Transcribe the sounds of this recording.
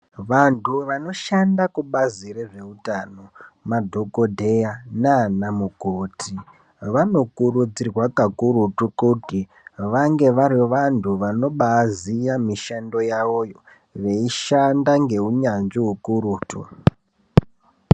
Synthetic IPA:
ʋantʰuʋano̞ʃandakuɓaziɾeʐe̞utano̞madʱo̞ko̞dʱe̞janaːnamuɡʱotʰi | ʋano̞kurud͡zirwakakuɾutukuti | ʋaŋɡe̞ʋariʋantʰuʋano̞ɓaːzijamiʃando̞jaʋo̞jo̞ | ʋe̞iʃandaŋɡe̞uɲanʐiɦukuruːtṵ

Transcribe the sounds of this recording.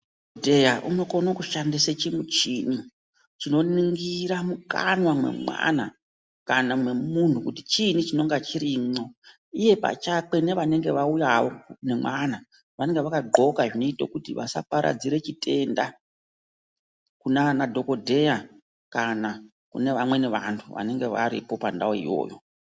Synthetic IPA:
dʱejaʔṵno̞konokuʃandiset͡ʃimut͡ʃini | t͡ʃino̞niŋɡiɾamuka̰nwamwe̞̰mwa̰na | kanamwe̞mun̤ukutit͡ʃinit͡ʃino̞ŋɡat͡ʃiɾimo̞ | ije̞pa̰t͡ʃak͡pe̞ne̞ʋane̞ŋɡe̞ʋaujaʋo̞ne̞mwana | ʋane̞ŋɡe̞ʋakaɡ͡ǃo̞kaʐino̞itokutiʋa̰sa̰paɾʔa̰d͡ziɾe̞t͡ʃite̞nda | kunanadʱo̞ko̞dʱe̞ja | kana | kune̞ʋamwe̞ne̞ʋantʰuʋa̰ne̞ŋɡe̞ʋa̰ɾḭpo̞pandawoḭjo̞̰ːjo

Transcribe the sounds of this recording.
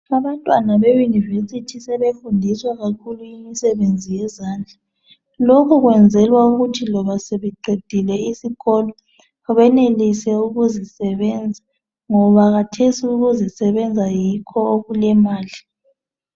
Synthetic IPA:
aβantʼwanaβejunivesitʰisɛβefundʱiswaɣakʰuluimisɛβend͡zʱijɛzaːnd͡ɮʱa | lokʰuɣwɛnd͡zʱɛlwauɣutʰilɔβaseβɛǃʱed̥ʱilɛisiɣɔlɔ | βɛnelisɛuɣuzisɛβɛnd͡zʱa | ŋɔβaɣatʰesiuɣuzisɛβɛnd͡zʱajikʰɔoɣulɛmaːli

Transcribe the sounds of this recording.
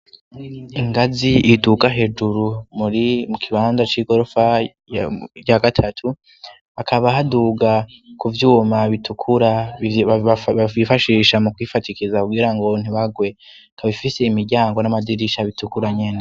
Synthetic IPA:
iŋɡaziʔitukaɦe̞d͡ʒuɾumuɾimukʰiβaːnzat͡ʃiːɡo̞ɾo̞fa | jaɡatʰatʰu | akʰaβaɦaduːɡakuvjuːmaβitʰukʰuɾa | ifaʃiːʃamukwifatikizakuɡiɾaŋɡo̞n̥iβaɡwe̞ | kaβifise̞imiɾɟaːŋɡonamadiɾiʃaβitukuɾaɲe̞ne

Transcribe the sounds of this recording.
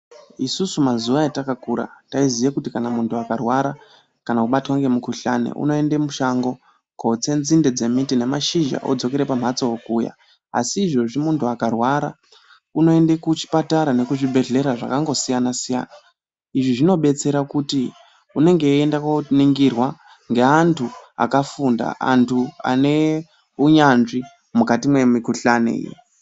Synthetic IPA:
isusumazuʋaetakakuɾa̰taizijakutikanamuntuakarwaɾa | kanakuɓatwaŋɡe̞mukuɬa̰nḛʔṵno̞e̞ndemuʃaŋɡo̞ | kot͡se̞nzinded͡ze̞mitine̞maʃiʒa̰ʔo̰d͡zo̞ke̞ɾe̞pam̤at͡sookuːja̰ | a̰siːʐo̞ʐimuntuakarwaɾa̰ | uno̞e̞ndekut͡ʃi̥pataɾane̞kuʐibʱe̞ɮe̞ɾaʐa̰kaŋɡo̞sijanasija̰ːna | iʐiʐino̞ɓe̞t͡se̞ɾakuti | une̞ŋɡe̞endakoniŋɡirwa | ŋɡe̞antʰua̰kafunda̰a̰ntʰua̰ne̞ | uɲanʐi | mukatimwe̞mikuɬanḛḭj̰

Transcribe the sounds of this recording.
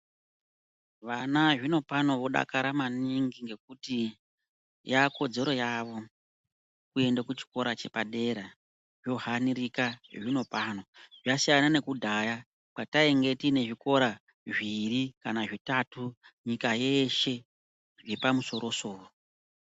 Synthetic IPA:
ʋanaʐino̞pano̞ʋo̞ɗa̰kaɾamaniŋɡiŋɡe̞k̚uti | jako̞d͡ze̞ɾo̞jaʋo̞ | kue̞ndakut͡ʃi̥ko̞ɾat͡ʃe̞paɗe̞ɾa | ʐjo̞hanirikaʐino̞pano̞ʐasijanane̞kudʱaja | kataeŋɡe̞tine̞ʐiko̞ɾa | ʐirikanaʐitatuɲikaje̞ʃe̞ | ʐepamuso̞ɾo̞so̞ːo

